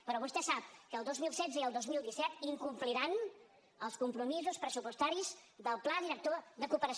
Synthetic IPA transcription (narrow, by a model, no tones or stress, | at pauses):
pəɾɔβust̪ɛsap̚kəːlˠd̪ozmilˠsɛd͡zəiəlˠd̪ozmilˠd̪isɛt̪iŋkumpliɾan | əlˠskumpɾumizuspɾəsupust̪aɾizðəlˠplaðiɾək̚t̪oðəkupəɾəs